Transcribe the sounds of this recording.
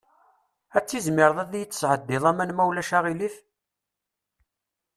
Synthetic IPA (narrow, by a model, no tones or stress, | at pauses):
æt͡sːizmɪɾðˤæðjət͡sːsʕəd̪ːɪðˤæmænmæwlæʃæʁiliθ